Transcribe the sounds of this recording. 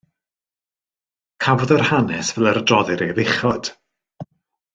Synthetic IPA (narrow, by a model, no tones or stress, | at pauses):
kʰavɔðərhanɛsvɛlˠəɾdrɔðɨɾejvɪχɔd̥